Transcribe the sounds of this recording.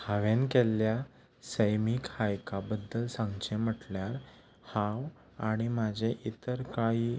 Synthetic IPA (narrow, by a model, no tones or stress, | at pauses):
haʋenkelːja | səjmikhajkabəd̪ːəlsãŋɡt͡ɕem̤əʈljaɾ | hãw | aɽ̃imad͡ʑʱeʔit̪əɾkaiː